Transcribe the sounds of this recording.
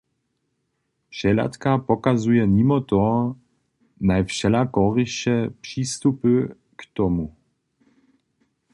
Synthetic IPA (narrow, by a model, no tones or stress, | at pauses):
pʃɛla̰t̪kapɔkazujɛnimɔt̪ɔ | najfʃɛlakɔʁiʃɛpʂist̪upɨ | kt̪ɔmu